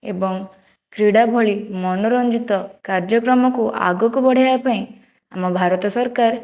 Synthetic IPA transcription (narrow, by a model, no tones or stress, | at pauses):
ḛbɔŋ | kɾiɽabʱoɭimɔnɔɾɔ̃nd͡ʒit̪ɔkaɾd͡ʒɔkɾɔmɔkuʔa̰ɡɔkubɔɽ̤ajapʰãĩ | amɔbʱaɾɔt̪ɔsɔɾkaɾ